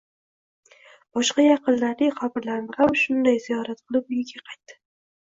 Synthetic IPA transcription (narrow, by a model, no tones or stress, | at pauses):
b̥ɒʃqɑjɑqɨnlaɾd̪ɪχabɪɾlaɾmʁamʃʊnd̪ajzijɒɾat̪qʰɨlˠɪp̚ʊjɪɡʲaqʰɑjt̪d̪ɪ̥